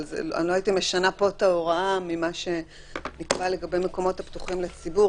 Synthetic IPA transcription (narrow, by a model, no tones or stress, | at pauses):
zḛla̰loaitime̞ʃanapo̞taoʁaamimaʃe̞ | nikbale̞ɡabe̞jme̞ko̞mo̞thaptuχimlet͡sibu